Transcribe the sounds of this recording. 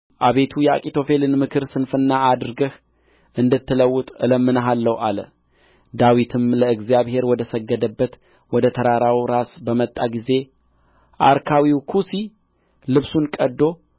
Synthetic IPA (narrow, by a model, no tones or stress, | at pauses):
ʔaβe̞t̪ʰujɛa̰kʼit̪ʰo̞fe̞lɨnmɨkʰɨɾsɨnfɨnːaad̪ɨɾɡəh | ʔɨnd̪ɨt̪ʰːɨləwːʊt̪ʼɨləmːɨnəɦalːəwʔalə̰ | d̪awit̪ʰɨmləɨɡzjaβɦe̞ɾwɔd̪əsəɡːəd̪əbːət̪ | wɔd̪ət̪ʰəɾaɾawɾasbəmət̪ʼːaɡize̞ | ʔa̰ɾkʰawiwkʰusi | lɨβsunkʼəd̪ːo̞